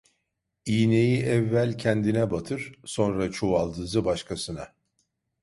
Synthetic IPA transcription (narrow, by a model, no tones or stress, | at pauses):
iːne̞jiʔɛvːælʲcʰɛnd̪inɛbat̪ʰɯɾ̥so̞nɾat͡ʃʰoalˠd̪ɯzɯbaʃkʰasɯna